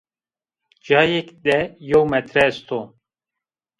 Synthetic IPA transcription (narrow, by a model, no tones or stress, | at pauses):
d͡ʒaːjekd̪ɛjowmɛt̪ɾɛst̪ʰo